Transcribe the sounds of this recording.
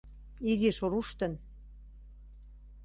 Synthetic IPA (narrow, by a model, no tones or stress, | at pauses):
iziʃoɾuʃt̪ə̆n